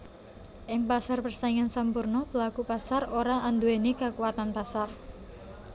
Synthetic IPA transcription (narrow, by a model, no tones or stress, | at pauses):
ʔɪŋpasarpərst̪aŋansampurnɔb̥əlakupasaroɾaʔːnd̪uenikakuat̪anpasar